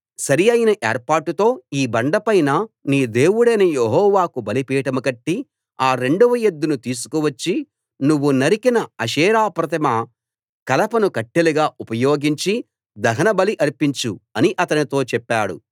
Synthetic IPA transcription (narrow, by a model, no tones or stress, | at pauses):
sɐɾijɐjnɐʔeːɾpaːɾʈːut̪o̞ːiːbɐɳɖɐpɐjnɐniːd̪e̞ːwuɽɐnejeɦɔːʋaːkubɐlipiːʈɐmukɐʈːi | aːɾe̞ɳɖuʋɐjed̪ːunut̪iːs̬u̥kuʋɐt͡ʃːi | nuʋːunɐɾikinɐɐʃɛːɾaːpɾɐt̪ɐmɐ | kɐlɐpɐnukɐʈːeluɡaːʔupɐjoːɡiɲt͡ʃi | d̪ɐɦɐnɐbɐliʔɐɾpiɲt͡ʃuɐniʔɐt̪ɐnit̪o̞ːt͡ʃɛpːaːɽṵ